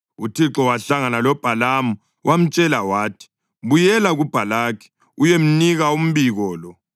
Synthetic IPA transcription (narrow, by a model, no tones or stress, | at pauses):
utʰiǁɔwaɬaŋanalɔb̥ʱalamu | wʔam̩t͡ʃʼɛlawaːtʰi̥ | βujɛlaɣub̥ʱalaːkʰi̥ | ujem̩niɣaum̩βiɣɔːlɔ